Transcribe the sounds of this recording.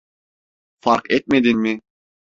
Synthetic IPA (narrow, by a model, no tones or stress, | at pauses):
fɑɾqɛt̪̚med̪inmɪ